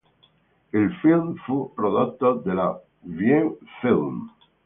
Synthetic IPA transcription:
elfilmfupɾoðot̪ːoðela | βjeŋfilm

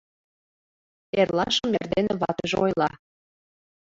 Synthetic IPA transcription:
erlɑʃəmerd̪eneβɑt̪əʒḛojlˠɑ

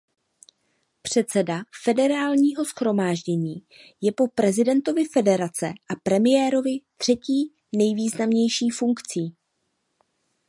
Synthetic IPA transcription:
pr̝̥ɛt̪sɛdafɛdɛɾaːlɲiːɦo̞sxɾo̞maːʒɟɛɲiː | jɛpo̞pɾɛzɪdɛnt̪o̞vɪfɛdɛɾat͡sɛ̰ʔapɾɛmɪjɛːɾo̞vɪt̪r̝̥ɛciː | nɛjviːznamɲɛjʃiːfuŋkt͡siː

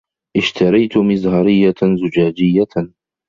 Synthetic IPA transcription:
ʔɪʃt̪ɑɾˤɑjt̪ʊmɪzhɑɾɪjːazʊd͡ʒaːd͡ʒɪjːa

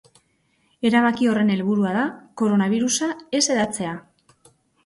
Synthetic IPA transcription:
e̞ɾaβ̞akio̞re̞ne̞lβuɾuaðako̞ɾo̞naβ̞iɾusae̞se̞ðat͡se̞a

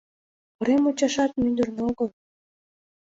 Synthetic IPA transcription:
pəɾemot͡ɕɑʃɑt̪̚mynd̪ə̆rneoɣəl

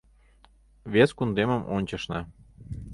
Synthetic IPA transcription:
βeskund̪eməmʔonʲt͡ɕə̆ʃnɑ

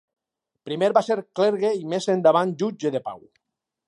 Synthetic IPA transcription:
pɾimeɾβaseɾkleɾɣeimezend̪aβ̞and͡ʒud͡ʒeðepa̰w

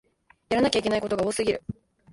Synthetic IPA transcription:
jaɾanakʲaikʲe̞naiko̞t̪o̞ɡao̞ːsɨɡʲiɾɯ̟

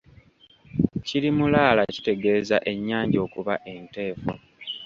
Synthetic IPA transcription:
cilimulaːlaci̥te̞ɡe̞ːza̰ʔe̞ɲːaːɲɟo̞ːkuβaʔe̞nte̞ːfo

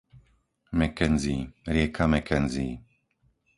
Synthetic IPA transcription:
mɛkɛnziːɾɪɛkʰamɛkɛnziː

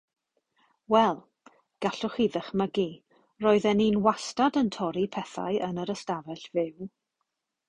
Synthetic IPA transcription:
wɛlˠ | ɡ̥aɬʊχiðəχməɡi | roːɨðɛninwastadəntʰɔɾipʰɛθa̰ɨʔənəɾəstavɛɬvɪw

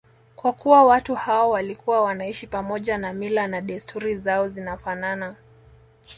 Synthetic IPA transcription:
kwakuwawatuhaɔwalikuwawanaiʃipamɔʄanamilanaɗɛstʰuɾizaɔzinafanana

